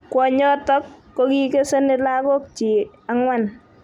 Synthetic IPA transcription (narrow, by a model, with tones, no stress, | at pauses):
kwɔ˨ɲɔ˦tɔ˦kː | ɔ˦ki˦ke˦se˦nɪ˦la˦kɔ˦k̚t͡ʃi˨ | a˦ŋwa˦n